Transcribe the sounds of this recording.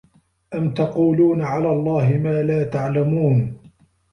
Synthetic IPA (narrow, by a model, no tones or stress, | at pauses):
ʔamt̪ɑquːluːnaʕalaːlˤːɑːhɪmaːlaːt̪aʕlamuːn